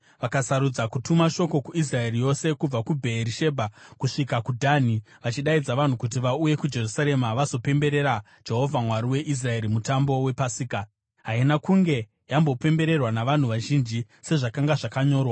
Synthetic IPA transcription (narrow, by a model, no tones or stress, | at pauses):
ʋakasaɾud͡zakutumaʃo̞ko̞kuis̬rae̞rijo̞se̞kub͡vakubʱe̞ːɾiʃe̞bʱakuʂikakudʱaːni | ʋat͡ʃiɗaid͡zaʋan̤ukut̬iʋauje̞kud͡ʒe̞rusaɾe̞maʋaso̞pe̞mbe̞ɾe̞ɾa | d͡ʒe̞ɦo̞vʱamwaɾiwe̞ʔis̬rae̞ɾimutambo̞we̞pasiːka | ɦainakuŋɡe̞ | jambo̞pe̞mbe̞ɾe̞rwanaʋan̤uʋaʒind͡ʒi | se̞ʐakaŋɡaʐakaɲo̞ːrwa